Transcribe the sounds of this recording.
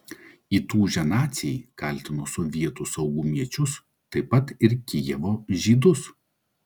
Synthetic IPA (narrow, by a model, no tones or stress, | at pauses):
iːt̪uːʒʲɛnɑːt̪sʲɪikɐlʲt̪ʲɪnoːsʊʋʲiɛt̪ʊsɐʊɡʊmʲiɛt͡ʃʲʊs | t̪ɐɪpɐt̪ɪɾkʲɪjɛʋoːʒʲiːd̪ʊs